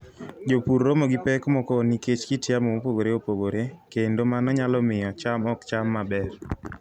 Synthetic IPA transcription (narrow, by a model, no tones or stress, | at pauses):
d͡ʒopuɾːomɔɡipɛkmɔkɔniket͡ʃkitjamɔopoɡoɾeopoɡoɾekendomanɔɲalɔmɪjɔt͡ʃamɔkt͡ʃamːabɛr